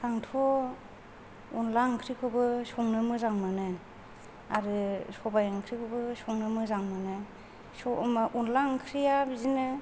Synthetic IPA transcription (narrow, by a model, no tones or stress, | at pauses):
saŋtʰɔ | unlaŋkʰɾikʰɔbɯsɔŋnɯmɯzaŋmanɯ | aɾɯsɔbajaŋkʰɾikʰɔbɯsɔŋnɯmɯzaŋmanɯ | sɔmaʔunlaŋkʰɾijabizinɯ